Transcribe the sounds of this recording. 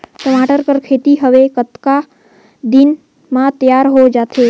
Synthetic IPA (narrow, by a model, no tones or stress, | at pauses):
ʈəmaːʈəɾkəɾkʰeːt̪iɦəʋekət̪ka | d̪ɪn | mãt̪jaːɾɦod͡ʒaːt̪ʰeː